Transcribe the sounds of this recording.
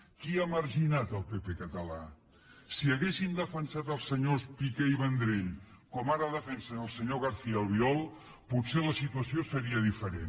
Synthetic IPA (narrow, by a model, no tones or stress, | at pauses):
kiaməɾʒinat̪əlˠpepekət̪əla | siəɣesind̪əfənsat̪əlˠsːəɲospikeiβənd̪ɾeʎkɔmaɾəðəfɛnsənəlˠsəɲoɣ̞aɾθiəəːlˠβiɔlˠ | put̪seləsit̪uəsiosəɾiəðifəɾḛn